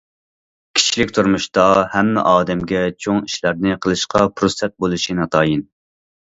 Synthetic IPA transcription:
kʲʰi̥t͡ʃʰilɪkʲt̪ʰuɾmuʃt̪ɑhɛmːɛ̰ʔɑːd̪ɛmɡʲɛt͡ʃʰoŋiʃlæɾnɪqʰəlˠɨʃqɑpʰɾusɛt̪̚bolˠɨʃinɑt̪ʰɑːjin

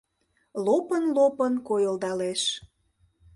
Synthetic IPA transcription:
lopənlopənkojəlˠd̪ɑleʃ

